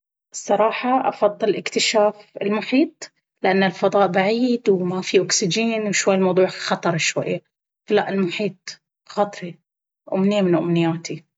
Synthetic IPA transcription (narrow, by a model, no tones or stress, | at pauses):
sˤːɑɾˤɑːħɑʔɑ̰fɑðˤːɨlɪkt̪ɪʃaːfɪ̰lmʊħiːt̪̚ˤ | lɪʔanːɪlfɑðˤɑːʔbaʕiːd̪wmafiʔʊksɪd͡ʒiːnwʃwajːɪlmɑwðˤuːʕxɑt̪ˤɑɾˤʃwa̰jːa | falaʔɪlmʊħiːt̪̚ˤ | xɑːt̪ˤɾi | ʔʊ̰mnɪjːamɪnʔʊ̰mnɪjːaːt̪i